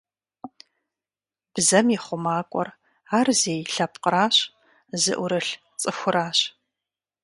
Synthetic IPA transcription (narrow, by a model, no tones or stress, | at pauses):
b̥zɐmjɪχʷʊmaːkʷʼɔ̰r | aːrzeːjɬɐp̚qəɾaːɕ | zɨ̰ʔʷʊɾɨɬ | t͡sʼɨxʷʊɾaːɕ